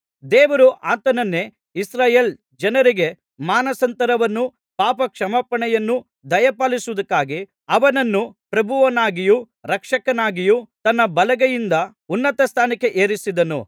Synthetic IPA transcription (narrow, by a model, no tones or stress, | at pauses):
d̪ɛːʋɐɾuʔaːt̪ɐnɐnːe | isɾaːjeːl | d͡ʒɐnɐɾiɡe̞ | maːnɐsɐnt̪ɐɾɐʋɐnːu | paːpɐkʂɐmɐpɐɳɛjɐnːu | d̪ɐjɐpaːlisuʋud̪ɐkːaːɡi | ɐʋɐnɐnːupɾɐbʱuʋɐnaːɡiju | ɾɐkʂɐkɐnaːɡijut̪ɐnːɐbɐlɐɡɐjind̪ɐ | unːɐt̪ɐst̪ʰaːnike̞ʔeːɾisid̪ɐnṵ